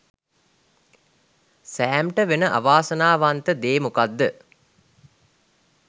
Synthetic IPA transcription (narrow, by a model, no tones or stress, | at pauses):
sæːmʈəʋenəʔa̰ʋaːsənaːʋant̪əd̪eːmukad̪ːə